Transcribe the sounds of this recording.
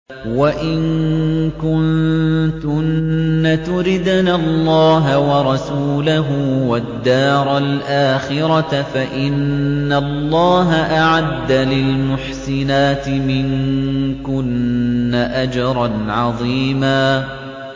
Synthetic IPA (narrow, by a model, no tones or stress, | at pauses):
waʔɪŋkʊnt̪ʊnːat̪ʊɾɪd̪nalˤːɑːɦawɑɾˤɑsuːlaɦʊwad̪ːɑːɾˤalʔaːxɪɾɑfaʔɪnːalˤːɑːɦaʔaʕad̪ːalɪlmʊħsɪnaːt̪ɪmɪŋkʊnːaʔad͡ʒɑɾˤɑnʕɑðˤiːmaː